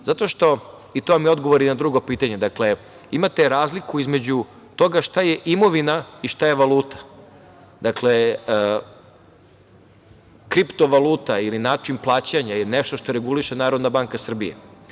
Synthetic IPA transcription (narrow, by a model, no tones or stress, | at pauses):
zat̪o̞ʃt̪o̞ | it̪o̞mio̞d̪ɡoʋoɾinad̪ɾuɡo̞piːt̪aɲe̞d̪akle̞ | imat̪e̞ɾaːzlikuizmed͡ʑu | t̪o̞ɡaʃt̪aje̞ʔimo̞ʋinaiʃt̪ajeʋalˠuːt̪ḁ | d̪akle | kɾipt̪o̞ʋaluːt̪ailinaːt͡ʂinplˠaːt͡ɕaɲajeneʃt̪oʃt̪o̞ɾe̞ɡuliʃenaːɾod̪nabaŋkasr̩bijḛ